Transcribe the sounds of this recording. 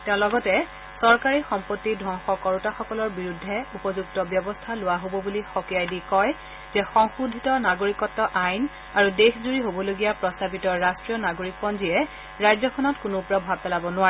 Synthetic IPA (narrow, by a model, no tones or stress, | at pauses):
tɛʊ̃lɔɡɔtɛ | sɔɹkaɹixɔmpotːidʱɔŋxɔkɔɹutaxɔkɔlɔɹbiɹudʱːɛupɔzuktɔbjɔbɔstʰalʊwaɦobɔbulixɔkijajdikɔj | zɛxɔŋxudʱitɔnaɡoɹikɔtːɔʔajn | aɹudexzuɹiɦobɔloɡijapɹɔstabitɔɹastɹijɔnaɡoɹik̚pɔnziɛ | ɹajzɔkʰɔnɔtkʊnʊpɹɔbʱab̚pɛlabɔnʊaɹɛ